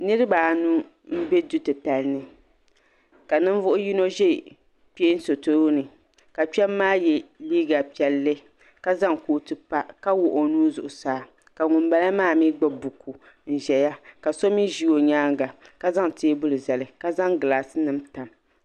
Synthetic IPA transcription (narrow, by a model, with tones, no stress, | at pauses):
nɨ˦ɾɨ˦baː˨nu˦ | m̩˦bɛ˦du˦tɨ˨ta˨lnɨ˦ | ka˨nɨ˦ɱ˦vʊ˦ʔʊ˦ji˦no˦ʒɛ˦˨ | pe˦n˦so˨to˦ɾo˦nɨ˨ | ka˨pɛ˦mː˦aː˦jɛ˨liː˦ɡa˨pi˨ɛ˨lːɨ˦ | ka˦za˦ŋkoː˨tɨ˨pa˦ka˦wʊ˨ʔo˨nuː˦zʊ˨ʔʊ˨saː˨˦ | ka˨ŋʊ˨mba˦la˦maː˦˨mi˦ɡ͡ba˦bu˨ku˨ | n̩˨ʒɛ˨ja˦ka˨so˦mi˦ʒi˦o˨ɲaː˦ŋɡa˨ka˦za˦ŋteː˦bʊ˦lɨ˨zɛ˨lɨ˨ka˦za˦ŋɡɨ˨laː˨sɨ˦nɨ˦mta˨m